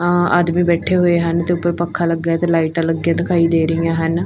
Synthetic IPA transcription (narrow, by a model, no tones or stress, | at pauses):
a̰ːd̪mĩːbɛːʈʰeːɦoːeːɦənt̪eːʊpːəɾpəkʰːaːləɡjaːt̪eːlaːiʈãːləɡːjãːd̪ɪkʰaːiːd̪eːɾəijãːɦən